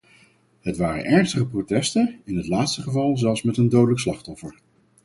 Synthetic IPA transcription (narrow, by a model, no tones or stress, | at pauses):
ɦətʋaːɾə̰nʔɛɹnstəχəprotɛstəɪnɦətlaːtstəχəvɑlˠzɛlˠsmɛtəndowdələkslɑχtɔfəɹ